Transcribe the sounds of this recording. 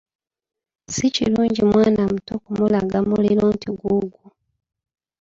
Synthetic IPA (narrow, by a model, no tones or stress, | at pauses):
sicḭluːɲɟimwaːnamutokumulaɡamuleloːntiɡuɡu